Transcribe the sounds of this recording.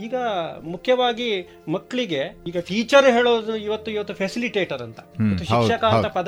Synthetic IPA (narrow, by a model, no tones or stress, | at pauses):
iːɡɐmukʰjɐʋaːɡi | mɐkːɐɭiɡe̞iːɡɐpʰiːt͡ʃɐɾɦeːɭoːd̪ɐnuiʋɐt̪ːuiʋɐt̪ːupʰesiliʈeːʈɐɾɐnt̪ɐ̥iɐtːuʃikk̪ʃɐkɐɐɐpɐd̪